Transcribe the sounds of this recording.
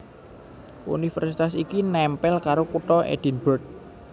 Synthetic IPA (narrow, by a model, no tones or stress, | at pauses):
ʔṵnifɛrsit̪asikinɛmpɛlkaɾokuʈ̪ɔʔḛd̪̥i̤nb̥ɔ̤rt̪̚